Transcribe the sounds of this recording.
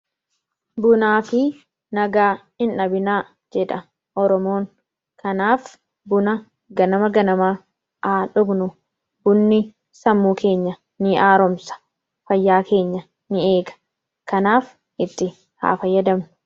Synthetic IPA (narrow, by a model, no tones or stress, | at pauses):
bʊnaːfɪ | nɐɡaː | ɪnɐbɪnaː | d͡ʒɛᶑɐ | ʔɔɾɔmoːŋ | kɐnaːf | bʊnɐ | ɡɐnɐmɐɡɐnɐmaː | ʔaːᶑʊɡnʊ | bʊnːɪ | sɐmːuːkʰe̞ːɲːɐ | nɪʔaːɾɔmsɐ̥ | fɐjːaːkʰe̞ːɲːɐ | nɪe̞ːɡɐ̥ | kɐnaːf | ʔɪt̪ːɪ | ha̰ːfɐjːɐd̪ɐmnʊ̥